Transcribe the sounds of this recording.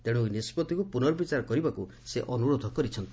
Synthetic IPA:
t̪eɽ̃ujnispɔt̪ikupunɔɾbit͡ʃaɾɔkɔɾibaku | seʔɔnuɽod̪ʱɔkɔɾit͡ʃʰɔnt̪i̥

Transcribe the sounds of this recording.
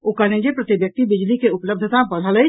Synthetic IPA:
okəned͡ʒepɾət̪ibjək̚t̪ibid͡ʒlikeupləb̚d̪ʱət̪abəɽ̤ʱələjt͡ʃ

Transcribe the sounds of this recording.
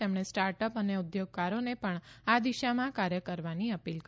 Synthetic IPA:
emɳ̃esʈaɾʈəpəneud̪joɡ̚kaɾonepəɳad̪iʃamãkaɾjəkəɾʋaniəpilk

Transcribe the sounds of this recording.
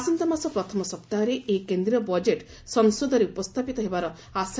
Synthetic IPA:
sɔnt̪ɔmasɔpɾɔt̪ʰɔmɔsɔpt̪aɔɾeekend̪ɾiɔbɔd͡ʒeʈ | sɔŋsod̪ʱɔɾeupɔst̪ʰapit̪ɔɦebaɾɔ | as

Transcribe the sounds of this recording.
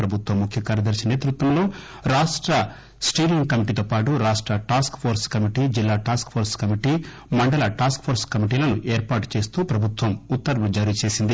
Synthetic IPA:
pɾɐbʱut̪wʋɐmːukʰjɐkaːɾjɐd̪ɐɾʃineːt̪ɾut̪ʋɐmlo̞ː | ɾaːʂʈɾɐ | sʈiːɾiŋkɐmiʈiːt̪oːpaːʈuɾaːʂʈɾɐʈaːskpʰoːɾskɐmiʈiːd͡ʒilːaːʈaːskpʰoːɾskɐmiʈiː | mɐɳɖɐlɐʈaːskpʰoːɾskɐmiʈ̬iːlɐnuʔeːɾpaːʈu̥t͡ʃe̞ːst̪uːpɾɐbʱut̪ʋɐmut̪ːɐɾɡud͡ʒaɾit͡ʃe̞ːsind̪i

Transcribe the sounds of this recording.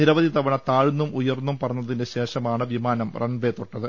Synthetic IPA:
niɾɐʋɐðit̪ɐʋɐɳɐt̪aːɻunːumʔujɐrnːumpɐrɐɲːɐðindeɕe̞ːʂɐmaːɳɨʋimaːnɐmrɐɳʋet̪ːoʈːɐðɨ

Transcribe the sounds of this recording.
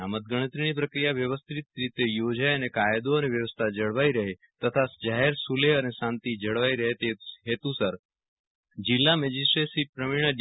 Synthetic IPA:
amət̪̚ɡəɽ̃ət̪ɾiñip̬ɾəkɾijaʋjəʋəst̪ʰit̪ɾit̪ejod͡ʒajənekaːjd̪oəneʋjəʋəst̪ʰad͡ʒəɽʋaiɾəɦe | t̪ət̪ʰasd͡ʒaɦeɾsuleənesãːnt̪id͡ʒəɽʋaiɾəɦet̪eɦet̪usəɾ | d͡ʒɪlːamed͡ʒisʈɾesipɾəmiɳ̃əɖ

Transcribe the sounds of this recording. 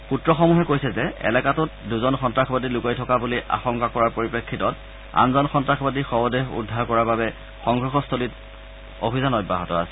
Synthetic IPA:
putɹɔxɔmuɦɛkojsɛzɛɛ̰lɛkatʊt̚duzɔnxɔntɹaxʰɔbadilukajtʰɔkabuliʔa̰xɔŋkakɔɹaɹpoɹipekʰːitɔt | a̰nzɔnxɔntɹaxɔbadixɔbɔdeɦṵdʱːaɹkɔɹaɹbabɛ | xɔŋɡʱɹɔxɔstʰolit | obʱizanɔjbaɦɔtɔa̰sɛ

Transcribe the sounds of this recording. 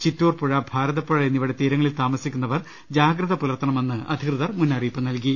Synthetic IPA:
t͡ɕitːoːrpuɻɐbʱaːɾɐðɐpːuɻɐenːiʋiɽe̞t̪iːɾɐŋːɐɭilt̪aːmɐsikʲːunːɐʋɐr | d͡ʑaːɡɾɐðɐpulɐrt̪ːɐɳɐme̞nːɨɐ̰d̪ʱikrɨðɐrmunːɐriːpːɨnɐlk̬i

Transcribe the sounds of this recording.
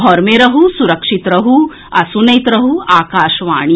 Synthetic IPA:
ɔɾmeɾɐɦusuɾɐkʂit̪ɾɐɦu | ɐsunɐjt̪ɾɐɦuaːkaːʃʋa̰ːɳ̃i

